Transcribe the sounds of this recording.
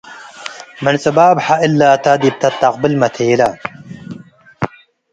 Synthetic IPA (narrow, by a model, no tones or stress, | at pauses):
mɐnt͡sʼɐbaːbħaʔɪlːaːt̪ad̪ib̚t̪ɐt̪ːɐq̚bɪlmɐt̪ʰeːla